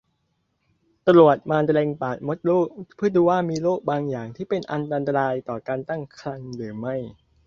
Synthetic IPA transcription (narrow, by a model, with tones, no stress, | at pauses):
t̪a˧ɾu˨˩ət̪̚maː˧nt̪lɛː˧ŋpaː˨˩t̪̚mo˦˥t̪̚loː˥˩k̚pʰɯː˥˩əd̪uː˧waː˥˩miː˧loː˥˩k̚baː˧ŋjaː˨˩ŋt̪ʰiː˥˩pe˧nʔa˧nt̪a˧nt̪̬a˧ɾaː˧jt̪ɔː˨˩kaː˧nt̪a˥˩ŋkʰɾa˧ŋɾɯː˩˦ma˥˩j